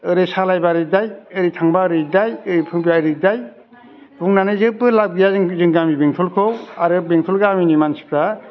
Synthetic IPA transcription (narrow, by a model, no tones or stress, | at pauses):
ɯɾɯsalajbaɾɯdajɯɾitʰaŋbaɾɯdajɯɾipʰɯŋbijaɾɯdaj | buŋnanɯjzɯp̚b̚ɯlab̚ɡijazɯŋzɯŋɡamibeŋtʰulkʰowaɾɯbeŋtʰulɡaːminimansi̥kʰɾa